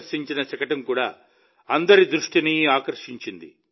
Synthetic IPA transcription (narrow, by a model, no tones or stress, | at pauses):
ɾʂiɲt͡ʃinɐt͡ʃɐkɐʈɐmkuːɽaː | ɐnd̪ɐɾid̪ɾuʂʈiniaːkɐɾʂiɲt͡ʃind̪ḭ